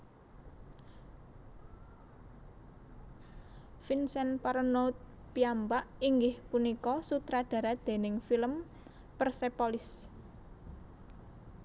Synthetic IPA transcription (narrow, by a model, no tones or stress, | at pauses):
finsɛnpaɾənot̪̚ | piambaʔiŋɡɪhpunikɔsut̪ɾaɖ̪̥ä̤ɾad̪̥e̤nɪŋfiləm | pərsepɔlɪs